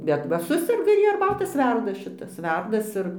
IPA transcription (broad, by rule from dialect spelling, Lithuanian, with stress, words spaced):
bʲɛt ˈʋɐ ˈsʊsʲɛrɡɐ ɪr ˈjiɛ ɐrˈbɑːtɐs ˈʋʲɛrdɐs ʃʲɪˈtɐs ˈʋʲɛrdɐs ɪr